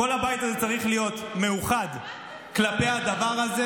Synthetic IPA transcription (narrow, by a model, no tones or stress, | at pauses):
o̞labajtazet͡saʁiχlijo̞t̪me̞uχad̪ | klape̞ad̪avaʁaze